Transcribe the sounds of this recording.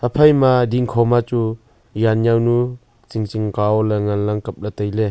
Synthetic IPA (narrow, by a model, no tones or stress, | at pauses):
apʰajmadiŋkʰɔmat͡ʃu | janjawnu | t͡siŋt͡ʃiŋkawleŋanlaŋkɐp̚lat̪ajle